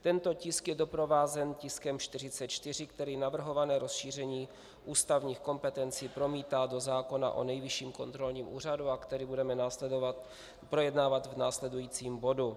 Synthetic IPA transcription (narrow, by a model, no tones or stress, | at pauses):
t̪ɛnt̪o̞cɪskjɛdo̞pɾo̞vaːzɛncɪskɛmʃt̪ɪrɪt͡sɛt̪t͡ʃt̪ɪr̝ɪkt̪ɛɾiːnavr̩ɦo̞vanɛːɾo̞sʃiːr̝ɛɲiː | ʔuːst̪avɲiːxko̞mpɛt̪ɛnt͡siːpɾo̞miːt̪aːdo̞zaːko̞na̰ʔo̞̰nɛjvɪʃiːmko̞nt̪ɾo̞lɲiːmʔṵːraduakt̪ɛɾiːbudɛmɛnaːsɛovat̪ | pɾo̞jɛdnaːvat̪vnaːslɛdujiːt͡siːmbo̞du